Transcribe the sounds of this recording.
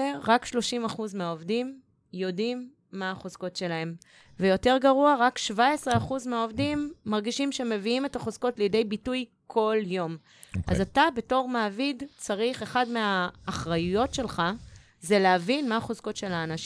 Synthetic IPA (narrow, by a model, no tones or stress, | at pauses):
ʁakʃlo̞ʃimaχuzmeaovdim | jo̞dimː | aːχozko̞tʃe̞lae̞m | vejo̞te̞ʁɡaʁuaʁakʃvae̞sʁeaχuzmeɦaovdimːaʁɡiʃimʃeme̞viime̞taχozko̞tlejede̞jbituj | kʰo̞ljo̞m | ʔa̰zzatabe̞to̞ʁmaːvidt͡saʁiχe̞χadmeaːχʁajujo̞tʃe̞lχa | zeleavinmaaχozko̞tʃe̞laːnaʃ